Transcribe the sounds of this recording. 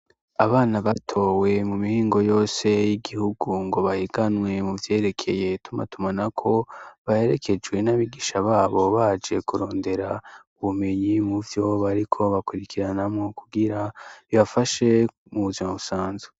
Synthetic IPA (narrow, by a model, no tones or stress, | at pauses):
aβaːnaβatʰo̞we̞mumihiːŋɡo̞jo̞ːse̞jiɡihuɡuŋɡo̞βahiɡanŋwe̞muvje̞ːɾe̞kʰe̞je̞tuma̰tumanakʰo̞βae̞ɾe̞kʰe̞d͡ʒwe̞naβiɡiʃaβaːβo̞βad͡ʒe̞kuɾo̞ːnde̞ɾauβume̞ɲimuvjo̞βaɾikʰo̞βakuɾikiɾanamŋokʰuɡiɾaβiβafaʃe̞ | muβuvjomoβusaːnze̥